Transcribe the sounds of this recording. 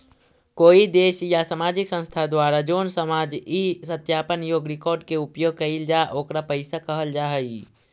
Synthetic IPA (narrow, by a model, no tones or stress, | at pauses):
koːid̪eːʃjasamaːd͡ʒɪksə̃nst̪ʰad̪waːɾad͡ʒoːnsəmaːd͡ʒisət̪jaːpənjoːɡɾɪkɔːɾɖkeʊpjoːɡ̚kəild͡ʒaʔoːkɾapəɪsakəɦəld͡ʒaːɦəi